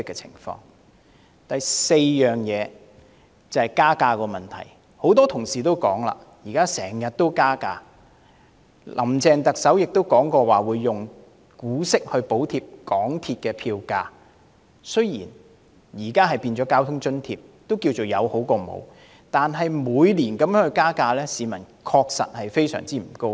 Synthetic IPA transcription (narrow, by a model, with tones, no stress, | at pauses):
kːɛ˧t͡sʰɪ̰˨˩ŋfɔ̰ː˧ŋ | t̪ɐ˨jse˧jːœː˨ŋjɛː˨˧ | t͡sɐ˨hɐ˨˩jkaː˥kaː˧kɔː˧mɐ˨˩nt̪ʰɐ̰˨˩j | ho˨˥wt̪ɔː˥t̪ʰʊ˨˩ŋsiː˨t̪̬o˥wkɔ̰ː˨˥ŋla̰ː˧ | jiː˨˩kaː˥sɛː˨˩ŋjɐ˨t̚t̪o˥wkaː˥kaː˧ | lʔɐ˨˩mt͡sɛː˨˧ŋt̪ɐ˨k̚sɐ˨˥wjɪ˨k̚t̪o˥wkɔː˨˥ŋkɔː˧waː˨wuː˨˧jːʊ˨˩ŋ | kuː˨˥sɪ˥k̚hɵ˧ɥpo˨˥wt̪ʰi˧p̚kɔː˨˥ŋt̪ʰi˧t̚kɛː˧pʰiː˧wkaː˧ | sɵ˥jḭː˨˩n | jiː˨˩kaː˥ɦɐ˨jpiː˧nt͡ʃɔː˨˥kaː˥wt̪ʰʊ˥ŋt͡ʃɵ˥nt̪ʰḭː˧p̚t̪o˥wkiː˧wt͡so˨wjɐ˨˧who˨˥wkɔː˧mo̰˨˧w | t̪aː˨nɦɐ˨jmuː˨˧jliː˨˩nkɐ˨˥mjœː˨˥ŋhɵ˧jkaː˥kaː˧lɛː˥siː˨˧mɐ˨˩n | kʰɔː˧k̚sɐ̰˨t̚hɐ˨jfe˥jsœ̰ː˨˩ŋt͡siː˥m̩˨˩ko˥w